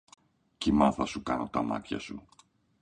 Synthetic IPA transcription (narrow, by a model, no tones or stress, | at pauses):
cimɐθɐsukɐno̞t̪ɐmɐ̰t̪çɐ̰su